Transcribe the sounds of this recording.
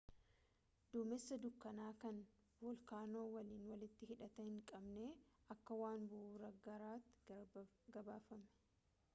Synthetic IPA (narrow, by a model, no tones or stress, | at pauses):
d̪̥uːmɛsːɐd̪ʊkːɐnaːkɐn | wɔlkaːno̞ːwɐliːnwɐlɪt̪ːɪhɪᶑɐt̪ɐɪŋkʼɐbneːɐkːɐwaːnbʊhuːɾɐɡɐɾaːt̪ːɪ̥ | ɡɐbaːfɐmɛ̥